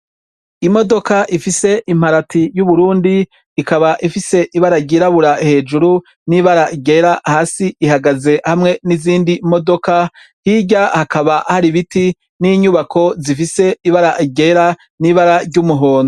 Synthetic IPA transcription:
imo̞do̞kaʔifise̞ʔim̥haɾatʰijuβuɾuːndiː | kaβaʔifise̞ʔiβaɾaɟiɾaβuɾahe̞ːd͡ʒuɾu | niːβaɾaʔiɡe̞ɾahaːsiʔihaɡaze̞hamŋe̞niziːndimo̞do̞ka | hiɟahakaβahaɾiβiti | niːɲuβakʰo̞zifise̞iβaɾaʔiɡe̞ɾa | niβaɾaɾɟumuɦo̞ːno

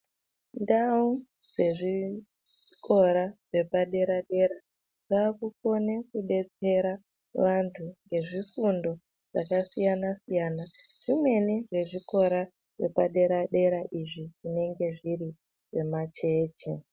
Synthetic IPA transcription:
ndau | d͡ze̞ʐi | kʰo̞ɾaʐe̞paɗe̞ɾaɗe̞ɾa | ʐaːkuko̞nekuɗe̞t͡se̞ɾa | ʋantʰuŋɡe̞ʐifundo̞ | ʐ̥a̰kasijanasijaːnaʐ̥imwe̞neʐe̞ʐiko̞ɾa | ʐ̥e̞̰paɗe̞ɾaɗe̞ɾaʔiʐiʐine̞ŋɡe̞ʐiɾi | ʐe̞mat͡ʃe̞ːt͡ʃḛ

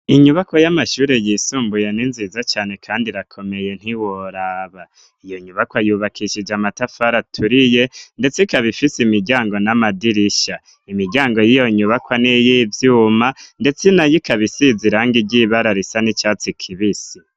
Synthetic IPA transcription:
iɲuβako̞jamaʃuːɾe̞jiːsuːmbujeninziːzat͡ʃaːne̞kʰaːndiɾakʰo̞me̞je̞n̥hiwoɾaːβa | ijo̞ɲuβakwajuːβakʰiʃid͡ʒamatafaɾatʰuɾije̞nde̞t͡sekaβifisimiɟaːŋɡo̞namadiɾiʃa | imiɟaːŋɡo̞jijo̞ɲuβakwanijivjuːmande̞t͡senajikaβisiziɾaŋɡiɟiːβaɾaɾisanit͡ʃat͡sikʰiβisi

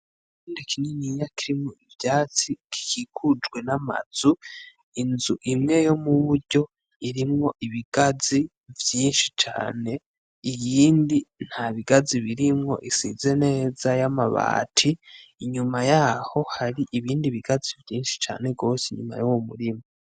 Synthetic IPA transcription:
kiːndikininijakiɾimŋoivjaːt͡siki̥kikʰud͡ʒɡwe̞nama̰z̥u | inzuʔimŋe̞jo̞muβuɾɟo̞ | iɾimŋo̞ʔiβiɡ̥azi | vjiːnʃit͡ʃa̰ːne̞ | ijiːndin̥haβiɡaziβiɾimŋo̞̰ʔisḭze̞ne̞ːz̥ajamaβa̰ːtʰiːɲumajaho̞haɾiʔiβiːndiβiɡazivjiːnʃi̥t͡ʃa̰ːne̞ɡo̞ːseɲuma̰jowomuɾima

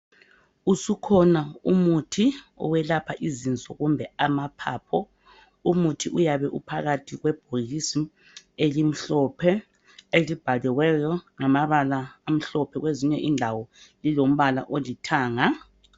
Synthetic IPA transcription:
usukʰɔnaumutʰi | ɔ̰wɛlapʰaʔizint͡sʼɔ̰ɣumbʱɛamapʰa̰ːpʰɔ | umutʰiʔujaβɛʔupʰaɣatʰiɣwɛb̥ʱoɣisi | elim̩ɬɔpʰɛ | elib̥ʱalɛwɛjɔŋamaβalaːm̩ɬɔpʰɛɣweziɲɛʔindʱawɔlilom̩βala̰ʔolitʰaːŋa

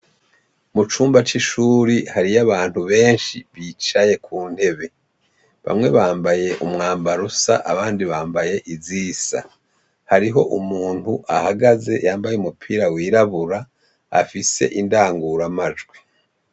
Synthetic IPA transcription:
mut͡ʃuːmbat͡ʃiʃuːɾihaɾijaβaːn̥huβe̞ːnʃiβiːt͡ʃaje̞kʰuːn̥he̞βe̞ | βa̰mŋe̞βaːmbaje̞ʔumŋaːmbaɾusa̰ʔaβaːndiβaːmbaje̞ʔiziːsa̰ | haɾiɦo̞ʔumuːn̥huʔahaɡaze̞̰jaːmbajumupʰiːɾawiːɾaβuɾa | a̰fise̞̰ʔindaːŋɡuɾamad͡ʒɡwi

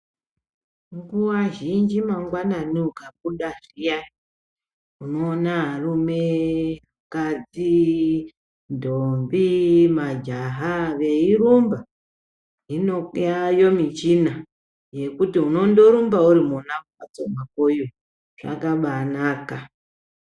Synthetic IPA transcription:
ŋɡuwaʒind͡ʒimaŋɡwananiukaɓ̚uɗaʐija | uno̞ːnaɦarume | kad͡zi | ndombimad͡ʒaɦaʋe̞iɾumba | inojajo̞mit͡ʃina | je̞kutiuno̞ndo̞ɾumbauɾimuna | at͡somakoju | ʐ̥a̰kaɓanaka

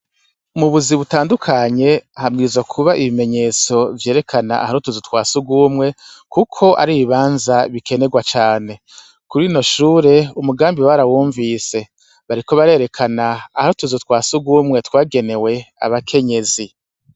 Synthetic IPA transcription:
umuβuziβutaːndukʰaɲe̞ahamɡiːzwakʰuβaʔiβime̞ɲe̞ːt͡so̞vjeːɾe̞kʰana̰a̰haɾutuzutwaːsuɡuːmŋe̞kukʰo̞ʔa̰ɾiːβiβaːnzaβike̞ne̞ɡwat͡ʃaːne̞ | kuɾiːno̞ʃuːɾe̞umuɡaːmbiwaɾawuːɱvise̞ | βaɾiko̞βaɾe̞ːɾe̞kʰanaːhaɾutuzutwaːsuɡuːmŋe̞twaːɡe̞ne̞we̞a̰βakʰe̞ɲe̞zi

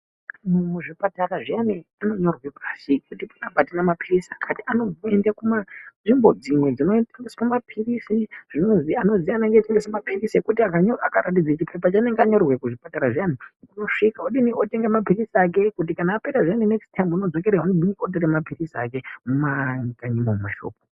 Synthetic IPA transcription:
mmuʐipataraʐianiano̞ɲo̞rwepʰasikutipḁnapatinamapirisakʰatianoendakumaʐimbo̞d͡zimwe̞d͡zinoaŋismumapʰirisiʐ̥inozano̞zianeŋɡetiŋɡesemapirisekutiaaakaɾatid͡zat͡ʃipʰep̬at͡ʃane̞ŋɡeaɲo̞rrwekuʐipataɾaʐijanikuno̞ʂikaoɗinioteŋɡemapirisiak̬e̞kut̬ikanaːpeɾaʐianinekstaimbuno̞d͡zo̞keɾeunoɗiniot̬eɾemapirisiakemumakaɲimommaʃo̰ːp̚o

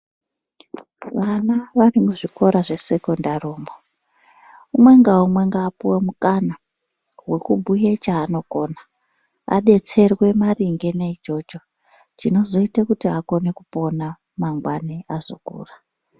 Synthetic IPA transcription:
ʋanaʋarimuʐiko̞ɾaʐe̞se̞kondaruːmo | umwe̞ŋɡaumwe̞ŋɡaːpuwemukana | we̞kubʱujet͡ʃaːno̞ko̞ːna | a̰ɗe̞t͡se̞rwe̞mariŋɡe̞neit͡ʃo̞t͡ʃo̞ | t͡ʃino̞zo̞itakutiako̞ne̞kupo̞na | maŋɡwaniazo̰kṵːra

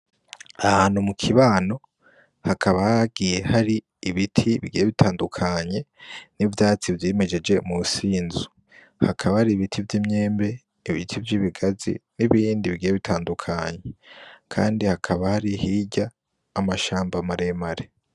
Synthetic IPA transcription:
ahaːn̥humukʰiβaːno̞ | hakʰaβahaɡije̞haɾiː | βitʰiβḭɡijeβitʰaːndukʰaɲe̞nivjaːt͡sivjieme̞d͡ʒe̞d͡ʒe̞musiːnzu̥ | hakʰaβahaɾiβitʰivjiːmɲe̞ːmbe̞ | iβitʰivjiːβiɡazḭniβiːndiβiɡijeβitʰaːndukʰaɲekʰa̰ːndihakʰaβahaɾihiɟaː | maʃaːmbamaɾe̞maɾe̞

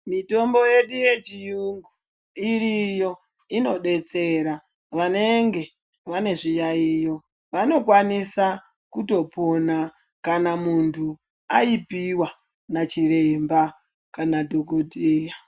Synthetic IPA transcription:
mito̞mbo̞je̞ɗuje̞t͡ʃijuŋɡu | iɾijo̞ | ino̞ɗe̞t͡se̞ɾa | ʋane̞ŋɡe̞ | ʋane̞ʐijaijo̞ | ʋano̞kwanisa | kuto̞po̞na | kanamuntʰu | aipiwa | nat͡ʃiɾemba | kanadʱo̞ɡodʱeːja

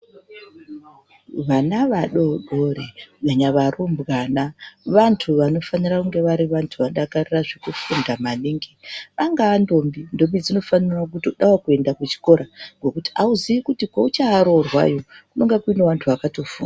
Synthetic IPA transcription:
ʋanaʋaɗo̞ɗoreɡaɲaʋarumbɣanaʋantʰuʋano̞fanirakuŋɡe̞ʋaɾiʋantʰuʋaɗakariraʐekufundamaniŋɡeʋaŋɡaando̞mbindo̞mbid͡zino̞fanirwak̬utoɗawakue̞ndakut͡ʃi̥ko̞ɾaŋɡo̞kuti̥auziikutikwaut͡ʃaːɾo̞rwa̰jo̞kunoŋɡakuineʋantʰuʋakato̞funa

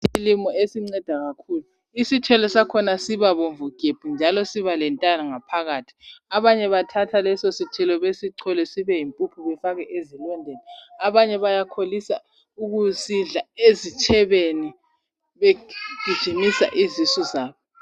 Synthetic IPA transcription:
silimɔesiŋ͡ǀɛd̥ʱaɣakʰuːlu | isitʰɛlɔsakʰɔnasiβaβoɱvuɡ̥ʱeb̥ʱund͡ʒʱalɔsiβalɛntʼanaŋapʰaɣaːtʰi̥aβaɲɛβatʰatʰalɛsositʰɛlɔβesiǀʰɔlɛsiβɛjimpʼupʰuβɛfaɣɛʔezilɔndʱenɛaβaɲɛβajakʰolisa | uɣuziɮaezit͡ʃʰɛβeni | βeɡ̥ʱid̥ʒ̥ʱimisa̰ʔizisɔzaːβɔ

